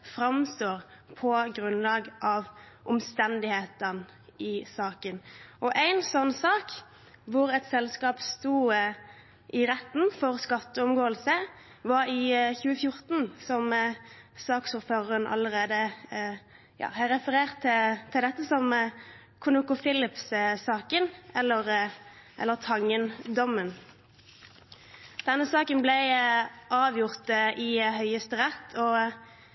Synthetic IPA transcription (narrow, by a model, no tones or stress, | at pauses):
fɾɑmst̪oːʁpʰɔɡɾʉnlɑːɡʔɑʋ | ʔɔmst̪ɛnd̪ɪheːt̪ən | ɪsɑːkənʔɔʔæɪnsɔnːsɑːk | ʋʊɾɛt̪sɛlskɑːpst̪uː | ʔɪɾɛt̪ːnfɔɾskɑt̪ːəʊmɡoːəlsə | ʋɑɾɪçʉːəfjʊɾt̪n̩sɔm | sɑːksuːɾføːʁəʁənʔɑ̰ləʁeːd̪ə | jɑ̰ːhɑʁɛfəʁeːʁt̪ʰːɪt̪ʰɪld̪ɛt̪ːəsɔm | kʰʊnʊkʊfɪlɪpssɑːkənɛlːəʁʔɛ̰lːəʁt̪ʰɑŋənd̪ɔmən | d̪̥ɛnːəsɑːkənblɛɪʔɑːʋjʊʁt̪əʔɪɦœʏəst̪əʁɛt̪ʰːɔ